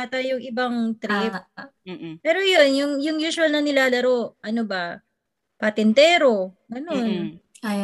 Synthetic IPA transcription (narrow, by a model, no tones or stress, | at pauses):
at̪ɐjʊŋʔɪbɐŋt̪ɾɪ | pɛːɾo̞jo̞njʊŋjʊŋjuːsʊɐlnɐnɪlaːlɐɾo̞ʔʔɐnoba | pɐt̪ɛnt̪ɛːɾo̞ɡɐnon